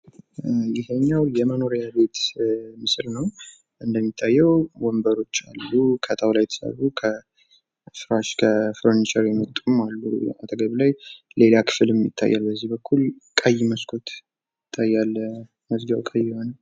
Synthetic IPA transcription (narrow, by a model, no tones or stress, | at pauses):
jɪhəɲːawjɛməno̞ɾjabe̞t̪mɨsɾnəw | ʔɨnd̪əmːit̪ʰːajːɛwwɔmbəɾo̞t͡ʃːa̰lːukʰət̪ʼʰawlajt̪ʰɨ̥sa̰βukʰə | fɾaʃkʰəfɾont͡ʃʼɛɾjɛmət̪ʼːumalːua̰t̪ʼəɡəβlajle̞lakʰɨ̥fɨlɛmjɪ̰t̪ʰːa̰jːalbəzːihbəkʰːulkʼəjːməskʰʼot̪ | ɪt̪ʰːajːal | məzɡawkʼəjːɪhonəw